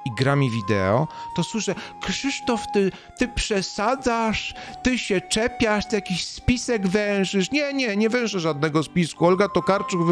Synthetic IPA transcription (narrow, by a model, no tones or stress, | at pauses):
iɡɾamʲivʲid̪ɛ̰ɔ̰t̪ɔswɘʂɛkʂɨʂt̪ɔft̪ɘ | t̪ɘpʂɛsad̪zaʂ | t̪ɘɕɛt͡ʂɛpʲjaʂt̪jakʲiɕspʲisɛɡvɛw̃ʂɘʂɲɛɲɛɲɛvɛ̃ʂɛʐad̪̚nɛɡɔspʲiskuɔlɡat̪ɔkaɾt͡ʂuɡv